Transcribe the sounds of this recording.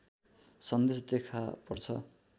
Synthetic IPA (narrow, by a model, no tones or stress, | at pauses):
sʌnd̪esd̪ekʰapʌrt͡sʰʌ̰